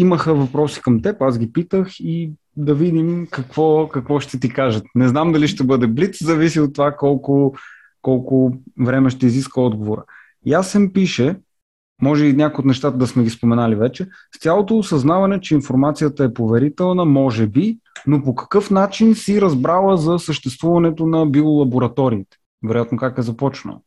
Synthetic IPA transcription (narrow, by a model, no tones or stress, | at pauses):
iməxəvɐpɾɔsi̥kɐmt̪ɛpaszɡ̟ipit̪əxi | d̪ɐvid̪imkɐkv̥ɔkɐkvɔʃt̪ɛt̪̬ikaʒət̪nɛznamd̪ɐliʃt̪ɛbɤd̪ɛblit̪szɐvisiot̪ːovakɔlˠkʊ | kɔlˠkʊvɾɛmɛʃt̪ɛiziskvəɔd̪̚ɡovoɾə̰ | jasɛmpiʃɛ | mɔʒɛinɲʲakojot̪nɛʃt̪at̪əd̪ɐsmɛɡʲispomɛnalivɛt͡ʃɛ | st̪ʲalˠot̪oːsɐznavɐnɛt͡ʃɛinfoɾmat̪sijət̪əɛpovɛɾit̪ɛlˠnəmɔʒɛbi | nopokɐ̥kɤfnat͡ʃinsiɾɐzbɾalˠəzɐsəʃt̪ɛst̪vuvɐnɛt̪onɐbilˠolˠɐboɾɐt̪ɔɾiːt̪ɛ̥ | vɛɾojat̪nokakɛzɐpɔt͡ʃno̰